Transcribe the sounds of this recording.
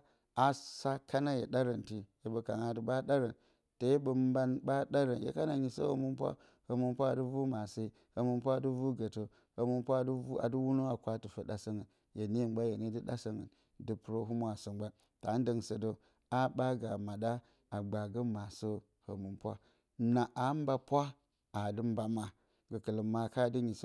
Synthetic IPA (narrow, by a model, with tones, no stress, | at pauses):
a˨sa˦ka˦na˦jḛ˨ɗa˦ɾə˨nti˨je˨bə˨ka˨ŋa˦də˨ɓa˦ɗa˦ɾə˨n | to˨je˦bə˨m˦ba˦nba˦ɗa˦ɾə˨njḛ˦ka˦na˨ɲi˨˦so̰˦hə̰˦mu˦mpwa̰˦ | hə˨mu˦mpʷa˦˨də˦vu˦ma˨sə˦i˦ | hə˨mu˦mpʷa˦˨du˦vu˦ɡə˨to˨ | hə˨mu˦mpʷa˦˨da̰˨du˦wu˦no˦a˨kʷa˦tɨ˨fə˨ɗa˨sə˦ŋə˨n | je˨ni˦˨mba˦je˨ni˦də˦ɗa̰˦sə˦ŋə̰˨n | də˦pu˨ɾo˦ɦu˦mʷ˦a˨sə˨ɡ͡ba˦ | ta˨˦n˦də˨ŋsə˨do˦ | a˦ɓa˦ɡa˨ma˨ɗa˦ | a˨ɡ͡ba˨ɡə˦ma˨so˦ | hə̰˨mu˨mpʷa̰˦ | na˨ʔa˨˦m˦ba˦pʷa˦ | a˨də˦m˦ba˨ma˨ | ɡə˨kə˨lə˨ma˨ka˦˨di˦ɲi˨so˦